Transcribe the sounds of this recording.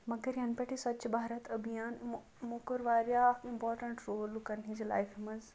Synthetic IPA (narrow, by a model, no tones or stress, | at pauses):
mɐɡɐɾjɐnpɐʈʰisɐt͡ʃbʱaːɾɐt̪ʰɐbijaːn | mokəɾʋaːɾjakɪ̃mpɔːɾʈɐ̃ɳʈɾoːlkɐnĩd͡ʑila̰jfimɐz